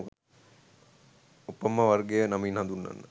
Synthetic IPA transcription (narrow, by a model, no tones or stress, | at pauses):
k | upːɐmɐʋɐrɡejənɐminhɦɐnd̪unːɐ̰nːə